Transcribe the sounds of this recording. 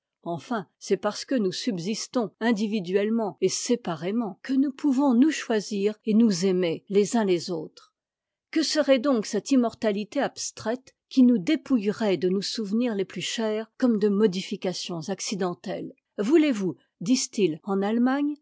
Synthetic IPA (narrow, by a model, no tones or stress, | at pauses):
ɑ̃fɛ̃sɛpaʁsə̥kənusybzist̪ɔ̃ɛ̃d̪ivid̪ɥɛlmɑ̃esepaʁemɑ̃kənupʰuvɔ̃nuʃwaziʁenuzemelezɛ̃lezoːt̪χ | kəsəʁɛd̪ɔ̃ksɛt̪imɔʁt̪alit̪eabst̪χɛt̪ | kʲinud̪epujʁɛd̪ənusuvniʁleplyʃɛːʁkɔmd̪əmɔd̪ifikasjɔ̃zaksid̪ɑ̃t̪ɛl | vulevu | d̪ist̪ilɑ̃nalmaɲ